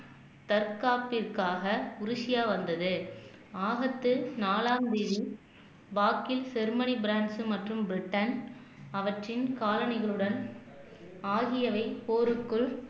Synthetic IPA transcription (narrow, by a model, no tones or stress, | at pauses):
t̪ɐɾkaːpːɪrkaːɣɐʊɾɪʂɪjaːʋɐnd̪ɐðɯ | aːɣɐt̪ːɯnaːlaːmd̪iːði | baːkːɪlsɛɾmɐnibɪɾaːɳɖsɯmɐʈrɯmbɪɾɪʈːɐn | ɐʋɐʈrɪnkaːlɐnɪɣɐɭɯɽɐn | aːɣɪjɐʋɐɪpoːɾɯkːɯɭ